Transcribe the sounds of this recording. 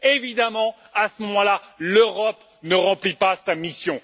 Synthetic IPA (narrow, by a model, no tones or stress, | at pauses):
evid̪amɑ̃ | asəmɔmɑ̃laløʁɔp | nəʁɑ̃plipasamisjɔ̃